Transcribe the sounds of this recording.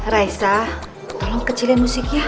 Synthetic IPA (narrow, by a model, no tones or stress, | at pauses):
raisa | t̪ɔlɔŋkət͡ʃilemusikja